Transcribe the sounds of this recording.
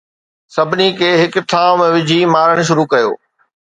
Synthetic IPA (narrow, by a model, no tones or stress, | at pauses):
sɐbʱɪnikʰeːɦɪkt̪ʰãːmẽʋɪd͡ʑʱimaːɾəɽ̃̆ʃ̬ʊɾukɐjo̰ː